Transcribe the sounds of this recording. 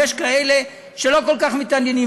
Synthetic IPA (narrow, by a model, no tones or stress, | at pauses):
eʃkaele | ʃelo̞ko̞lkaχmit̪andini